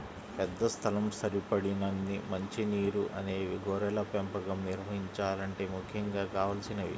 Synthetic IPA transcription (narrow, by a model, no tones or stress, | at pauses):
pɛd̪ːɐst̪ʰɐlɐmsɐɾipɐɽinɐnːimɐɲt͡ʃiniːɾuʔɐneːʋiɡoːɾɛlɐpɛmpɐɡɐmniɾʋɐɦiɲt͡ʃaːlɐɳʈe̞ːmukʰːjɐŋɡaːkaːʋɐlɐsinɐʋḭ